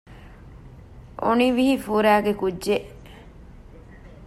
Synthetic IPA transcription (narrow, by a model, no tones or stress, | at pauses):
ʔo̰niʋiɦifuːɾæːɡekudʒeʔ